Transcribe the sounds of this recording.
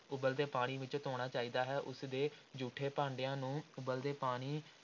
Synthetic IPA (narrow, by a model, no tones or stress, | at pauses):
ʊbəld̪eːpaːɽ̃iːʋɪt͡ʃt̪oːɽ̃aːt͡ʃaːiːd̪aːɦɛːʔʊsd̪eːd͡ʒuːʈʰeːpãːɳɖɪjãːnũːʊbəld̪eːpaːɽ̃iː